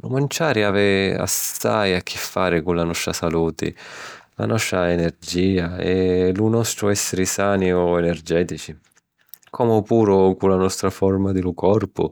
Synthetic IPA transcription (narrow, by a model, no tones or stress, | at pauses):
lṵmant͡ʃaːɾɪaːvɪa̰sːa̰jakʰːɪfːaːɾɪkulanɔst̪ɾasaluːt̪ɪ̰ | la̰nɔst̪ɾaɛnɛrd͡ʒiːaɛlunɔst̪ɾʊɛsːɪɾɪsaːniɔɛnɛrd͡ʒɛːt̪it͡ʃi | kʰɔːmʊpuːɾʊkulanɔst̪ɾafɔrmad̪ɪlʊkʰɔrpʊ̰